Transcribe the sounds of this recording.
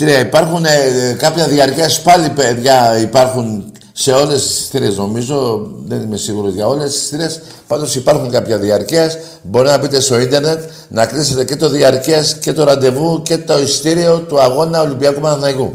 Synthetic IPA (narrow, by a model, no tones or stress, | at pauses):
c̪iɾeɐipɐɾxunkɐpçɐðiɐɾciɐspɐlipeðʝɐipɐɾxun | se̞o̞le̞sst̪iɾe̞sno̞mizo̞ðe̞nime̞siɣuɾo̞zʝɐo̞le̞sst̪iɾes | pɐnd̪osipɐɾxuŋkɐpçɐðiɐɾciɐs | bo̞ɾit̪enɐbit̪e̞st̪o̞ind̪e̞ɾne̞t̪ | nɐklise̞t̪e̞ce̞t̪o̞ðiɐɾciesce̞t̪o̞ɾɐnd̪e̞vuce̞t̪o̞ist̪iɾio̞t̪uɐɣo̞nɐo̞limbiɐkumɐnɐθnɐiku